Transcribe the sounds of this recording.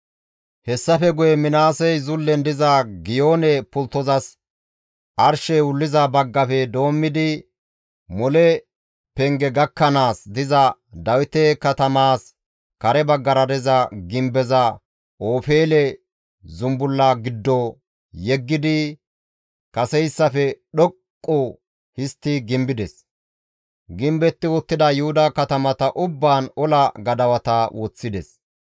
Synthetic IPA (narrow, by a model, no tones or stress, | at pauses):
hɛsːɐfɛɡʊjɛmɪnaːsɛjzʊlːɛnd̪ɪzɐɡɪjo̞ːnɛpʊlt̪ːɔzɐs | ʔɐɾʃɛʊlːɪzɐbɐɡːɐfɛd̪o̞ːmːɪd̪ɪ | mɔlɛ | pɛŋɡɛɡɐkːɐnaːsd̪ɪzɐd̪ɐwɪt̪ɛkɐt̪ɐmaːs | kɐɾɛbɐɡːɐɾɐd̪ɛzɐɡɪmbɛzɐ | oːfeːlɛ | zʊmbʊlːaɡɪd̪ːɔ | jɛɡːɪd̪ɪ | kɐsɛjsːɐfɛɗɔkʼːɔ | hɪst̪ːɪɡɪmbɪd̪ɛs | ɡɪmbɛt̪ːɪwɔt̪ːɪd̪ɐjʊhʊd̪ɐkɐt̪ɐmɐt̪ɐʔʊbːaːnɔlɐɡɐd̪ɐwɐt̪ɐwʔɔt͡sːɪd̪ɛs